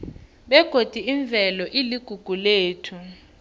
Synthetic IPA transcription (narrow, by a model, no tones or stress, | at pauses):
ɓɛɡ̥ʱod̥ʱiiɱb̪vʱɛlɔʔiliɡ̥ʱuɡ̥ʱuleːtʰu